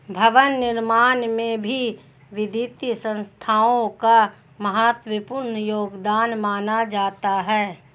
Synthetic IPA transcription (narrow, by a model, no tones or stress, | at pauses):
bʱɐʋənːɪɾmaːnmẽbʱi | ʋɪd̪iːt̪jəsə̃nst̪ʰaːõka | mɐɦaːt̪wəpuɾnəjoːɡd̪aːnmaːnad͡ʒaːt̪aɦɛː